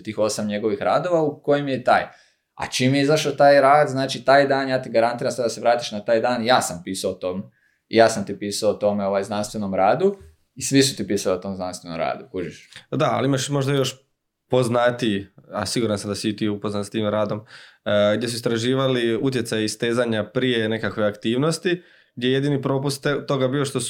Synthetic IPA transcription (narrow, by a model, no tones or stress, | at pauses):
t̪iːxo̞ːsamɲe̞ɡo̞ʋixɾa̰ːd̪o̞ʋauko̞jimjet̪a̰ːj | a̰t͡ʃimjeizaʃat̪aːjɾaːd̪znaːt͡ʃit̪aːjd̪aːnjaːt̪iɡaɾant̪iːɾamsad̪ase̞ʋɾaːt̪iʃnat̪aːjd̪aːnjaːsampiːsaot̪ome | ijaːsamt̪ipiːsaot̪o̞meo̞ʋajznanst̪ʋe̞no̞mɾaːd̪u | isʋisut̪ipiːsaliot̪o̞ːmznanst̪ʋe̞nomɾa̰ːd̪ukud͡ʒiʃd̪aa̰limaʃmo̞ʒd̪ajo̞ʃ | po̞znat̪ia̰siɡuːɾansamd̪asiit̪iupoznanst̪iːmɾaːd̪o̞mɡd̪je̞s̬uist̪ɾaʒiːʋaliut̪jet̪sajaist̪eːzaɲapɾijene̞kakʋo̞jakt̪iːʋno̞st̪i | ɡ̚d̪ʲjeje̞d̪iːnipɾo̞pust̪t̪ːo̞ɡabioʃt̪o̞su